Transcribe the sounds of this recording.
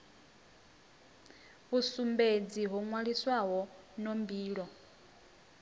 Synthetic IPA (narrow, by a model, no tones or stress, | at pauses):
βusumbed͡ziɦuŋwaɺiswaɦɔnombiːɺɔ